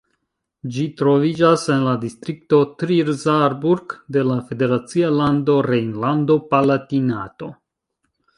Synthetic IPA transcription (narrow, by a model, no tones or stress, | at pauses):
d͡ʒitɾo̞vid͡ʒase̞nladistɾik̚to̞tɾiɾzaɾbuɾɡde̞lafe̞de̞ɾat͡sialando̞ɾejnlando̞palatina̰to̞